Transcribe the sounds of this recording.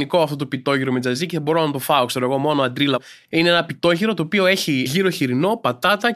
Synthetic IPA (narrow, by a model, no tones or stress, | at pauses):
niko̞ɐft̪o̞t̪opit̪o̞ʝiɾo̞med͡zɐziceθɐbo̞ɾo̞ɐnɐt̪o̞fɐokse̞ɾoe̞ɣo̞mo̞no̞ɐnd̪ɾilɐ | ineenɐpit̪o̞ʝiɾo̞t̪o̞ːpio̞e̞çiʝiɾoçiɾino̞pɐt̪ɐt̪ɐ